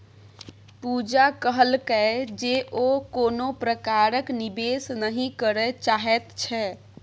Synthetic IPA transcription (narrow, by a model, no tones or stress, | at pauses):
pud͡ʒakəɦəlkɛd͡ʒeʔokonopɾəkaɾəknibesnəɦĩkəɾɛt͡ʃaɦɛt̪t͡ʃʰɛ